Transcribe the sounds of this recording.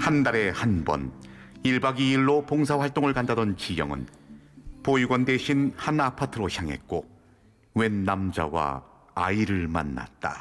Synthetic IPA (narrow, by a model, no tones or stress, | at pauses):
handaɾe̞hanbʌ̰niɭbaɡiːɭːopoŋsʰaɸwaɭt͈oŋɯɭkandadʌnt͡ɕijʌŋɯ̰n | poiɡwʌndeɕʰinhanapʰatʰɯɾoçʰjaŋɦe̞̰t̚k͈o | we̞nːamd͡ʑa̰wa̰ː | iɾɯɭma̰nːa̰t̚t͈a̰